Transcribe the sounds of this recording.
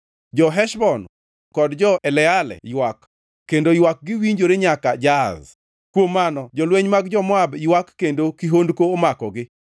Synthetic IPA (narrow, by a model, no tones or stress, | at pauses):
d͡ʒɔɦɛʃbɔn | kɔdd͡ʒɔʔɛlɛalɛ̰jwakː | endojwak̚ɡɪwiɲd͡ʒoɾeɲakad͡ʒaz | kwomːanɔd͡ʒɔlweɲmaɡd͡ʒɔmɔabiwakːendokiɦondkoːmakɔɡɪ